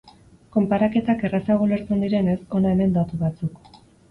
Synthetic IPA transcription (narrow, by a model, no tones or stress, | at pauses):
ko̞mpaɾake̞t̪ake̞rasaɣ̞ole̞ɾt͡se̞nd̪iɾe̞ne̞so̞nae̞me̞nd̪at̪uβat͡suk